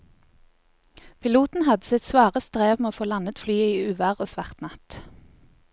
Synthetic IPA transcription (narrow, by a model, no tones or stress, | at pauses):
pʰɪluːt̪n̩hɑd̪əsɪt̪sʋɑːʁəst̪ʁeːʋmeːoːfoːlɑnət̪flyːiːʉːʋæʁoːsʋɑʁt̪nɑt̪